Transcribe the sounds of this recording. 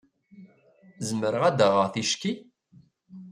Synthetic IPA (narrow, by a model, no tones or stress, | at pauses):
zəməɾəʁæd̪əʁəʁθiʃki